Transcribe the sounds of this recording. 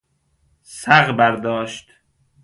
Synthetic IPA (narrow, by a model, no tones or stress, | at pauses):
sæɣbæɾd̪ɒːʃt̪